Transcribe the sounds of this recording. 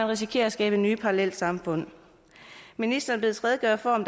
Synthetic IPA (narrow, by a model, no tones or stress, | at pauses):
ænʁisikʰe̝ːɐsɡ̥ɛ̰ːb̥ənyːpʰɑ̈ʁɑlel̰d̥sɑ̈mfɔ̽n̰ | minisd̥ɐːnb̥le̝ð̩ˠt͡sʰʁɛːðˠəɡ̥ɶɐfɒ̰ɒ̽md̥